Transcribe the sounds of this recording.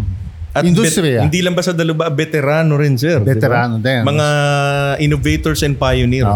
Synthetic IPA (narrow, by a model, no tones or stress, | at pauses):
ʔɐtɪuɾɪnd̪ilɐŋbɐsɐd̪ɐlʊbabɛt̪ɛɾaːnoɾɪnsɛɾdɛɪɛbɾaːnod̪ɛmɐŋaʔɪnovejt̪oɹsɛn̚pajoniɾ